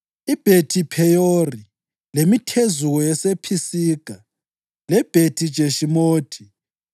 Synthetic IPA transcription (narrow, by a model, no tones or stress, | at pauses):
ib̥ʱetʰipʰɛjori | lemitʰezuwɔjɛsepʰisiːɡ̥ʱa | lɛb̥ʱetʰid̥ʒ̥ʱeʃimoːtʰi